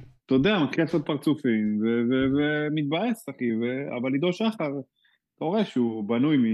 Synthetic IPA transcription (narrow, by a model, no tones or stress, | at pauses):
t̪od̪eamakesot̪̚paʁt͡sufimvevevemit̪̚bajesaχivea̰valid̪oʃaχaʁ | koʁeʃubanujmi